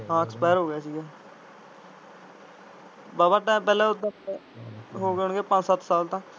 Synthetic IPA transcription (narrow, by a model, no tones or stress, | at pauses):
ɦãːɛkspɛːɾɦoːɡjaːsiːɡɛː | baːbaːʈɛ̃ːpɛːlɛ̃ːʊt̪ːã | ɦoːɡeʊɳ̃ɡeːpə̃ɲt͡ʃsət̪saːlt̪ãː